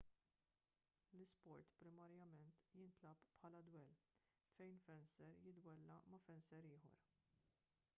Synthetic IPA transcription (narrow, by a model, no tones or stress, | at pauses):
lɪspɔɾt̪pɾɪmɐɾjɐmɛnt̪jɪnt̪lɐppħɐːlɐd̪wɛl | fɛjnfɛnsɛɾjɪd̪wɛlːɐmɐfɛnsɛɾɪːħɔ̰ɾ